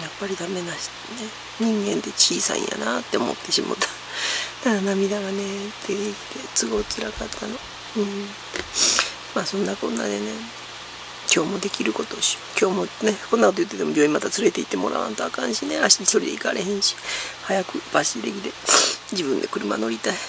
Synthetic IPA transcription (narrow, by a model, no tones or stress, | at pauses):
japːaɾʲid̪ame̞naɕ | ne̞ | ɲ̟ĩŋɡẽ̞nt̪e̞t͡ɕiːsã̰ḭ̃ja̰nat̪ːeomo̞̰t̪ːe̞ɕimo̰t̪ʰːḁ | d̪aɡanamʲid̪aɡanet̪ʰːeit̪e̞t͡sɨɡo̞it͡sɨɾakat̪ʰːano̞ | ɯ̃ː | maːsõ̞nːakõ̞̰nːa̰d̪e̞ne̞ | kʲo̞ːmo̞d̪e̞kʲiɾɯ̟ko̞t̪o̞ɕi̥kʲo̞ːmo̞ne̞ko̞nːakot̪ojɯ̟t̪ːet̪emobʲoːimat̪at͡sɨɾe̞t̪e̞it̪ːemo̞̰ɾa̰βã̰nt̪oakãɰ̃ɕine̞aɕi̥t̪aɲiso̞ɾid̪eika̰ɾe̞ɦẽ̞ɰ̃ɕi̥hajakɯ̟baɕiid̪e̞kʲid̪e̞d͡ʑibɯ̟̃nd̪e̞kɯ̟ɾɯ̟ma̰no̞ɾʲit̪ai